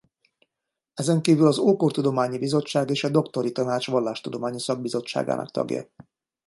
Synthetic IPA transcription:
ɛzɛŋkiːvylɒzoːkort̪ud̪o̞maːɲibizo̞t͡ʃːaːɡeːʃɒd̪o̞kt̪o̞ɾit̪ɒnaːt͡ʃʋɒlːaːʃt̪ud̪o̞maːɲisɒɡ̚bizo̞t͡ʃːa̰ːɡa̰ːnɒ̰kt̪ɒ̰ɡjɒ̰

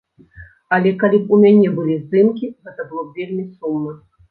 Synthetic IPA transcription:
alʲɛkalʲipumʲanʲɛbɨlʲizd̪ɨmkʲiɣɛt̪ɐbɨlˠɔvʲelʲmʲisumːɐ

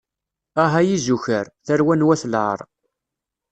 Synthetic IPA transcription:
aɦajizuçəɾθæɾwænwæθlʕə̰ɾˤ

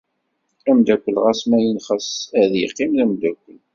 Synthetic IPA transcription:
æmd̪ækʷːəlʁæsmæjənχəsæðjəqːimðæmd̪ækʷːəl

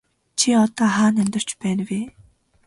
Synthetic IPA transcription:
t͡ɕʰiɔt̪ɔːɦaːnæmt̪ə̆r̥t͡ɕpæːnweː

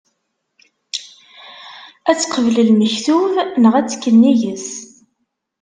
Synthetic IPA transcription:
æt͡sːqəvləlməçθuvnəʁæt͡sːkːənːijəs

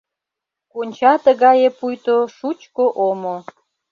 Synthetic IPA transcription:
konʲt͡ɕɑt̪əɣɑjepujt̪oʃut͡ɕkoʔomo

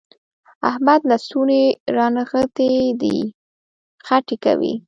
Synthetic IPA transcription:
ahmad̪lasuneɾɑnaɣət̪ed̪ḭ | xaʈeka̰wḭ

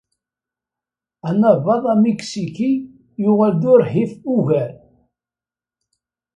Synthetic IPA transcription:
ænəvɑðˤæmiksiki | jʊʁæld̪ʊɾɦifuʝæɾ

